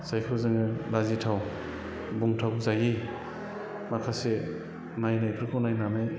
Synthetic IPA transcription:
sajpʰɯɾzɯŋɯlazitʰaw | buŋtʰawzaji | makʰase | najnajpʰɾkʰawnajnanaj

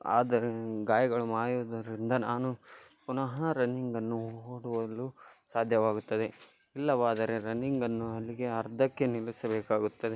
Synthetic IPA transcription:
a̰ːd̪ɐɾeɡaːjɐɡɐɭumaːjuːd̪ɐɾind̪ɐnaːnupunɐɦɐɾɐniŋɡɐnːuɦɦoːɽuʋɐlusaːd̪ʱjɐʋaːɡut̪ːɐd̪e̞ | ilːɐʋaːd̪ɐɾe̞ɾɐniŋɡɐnːuɐlːiɡe̞ɐɾd̪ʱɐkːe̞nilisɐbeːkaːɡut̪ːɐd̪e

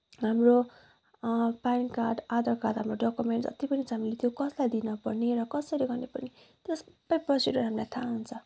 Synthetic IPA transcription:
ɦamro | pajnkaɖad̪ʌkat̪ɦamroɖʌkumeɳʈsʌ̰t̪ipʌnit͡saɦamilet̪ʰjokʌslajd̪inʌpʌrneɾʌkʌsʌɾiɡʌrnepʌrne | t̪ʌsʌ̥bajprʌsiɖʌrɦamlajt̪ʰaɦunt͡sʰʌ

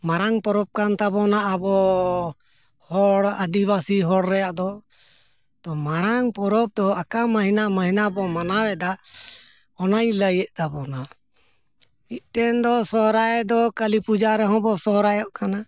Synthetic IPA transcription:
maɾaŋpɔɾɔb̚kant̪abɔnaʔːbɔ | hɔɽad̪iβasiɦɔɽɾɛjaʔd̪ɔ | t̪ɔmaɾaŋpɔɾɔp̚d̪ɔakamaɦinamaɦinabɔmanawɛd̪a | ɔnajləjɛʔt̪abɔna | it̪̚ʈɛnd̪ɔsɔɾajd̪ɔkalipud͡ʒaɾɛɦɔ̃bɔsɔɦɾajɔʔkana

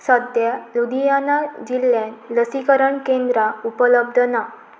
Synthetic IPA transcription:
səd̪jalud̪ijanad͡ʑilːjãnləsikəɾəɳkẽnd̪ɾaupələb̚d̪ʱəna

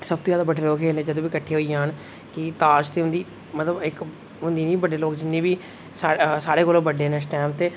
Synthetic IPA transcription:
səb̚t̪oːjaːd̪aːbəɖʰʱeːloːkʰeːlneːd͡ʒəd̪õːʋiːkəʈʰːeːɦoːijãːɦən | kɪt̪aːd͡ʒt̪eːɦʊnd̪iː | mət̪ləbɪk | ɦʊnd̪iːnĩːbəɖeːloːkd͡ʒɪnːẽːbiː | saːsaːɽeːkoːloːbəɖeːnesʈɛːmt̪eː

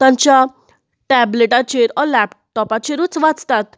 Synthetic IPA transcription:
t̪ãɲt͡ɕja | ʈɛbleʈat͡ɕeɾɔlɛpʈɔpat͡ɕeɾut͡sʋat͡st̪at̪

